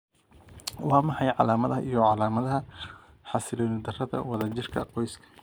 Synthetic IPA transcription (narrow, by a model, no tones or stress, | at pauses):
wɑːmɑħɑjʕɑ̰laːmɐðɐɦɐ̰ʔijɔʕɑlaːmɐðɐɦɐ | ħɑsɪlɔːnɪd̪ɐrɐðɐ̰wɑðɐt͡ʃɪrkʰɐ̰qɔjskʰɐ̥